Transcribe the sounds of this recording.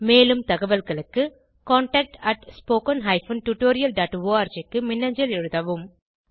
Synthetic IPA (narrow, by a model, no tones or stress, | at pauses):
meːlɯmt̪ɐɣɐʋɐlɣɐɭɯkːɯ | koːɳʈɐk̚ʈɐʈspoːkɐnɦɐɪfɐnʈuʈoːɾɪjɐlɖaːʈʋoːaːɾd͡ʒɐkːɯmɪnːɐɲd͡ʒɐlɛɻɯðɐʋɯm